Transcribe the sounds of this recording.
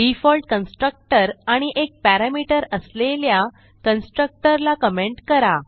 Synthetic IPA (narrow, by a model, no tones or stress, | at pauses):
ɖifɔlʈkənsʈɾək̚ʈəɾaɽ̃iʔek̚pæɾamiʈəɾəslelja | kənsʈɾək̚ʈəɾlakəmeɳʈkəɾa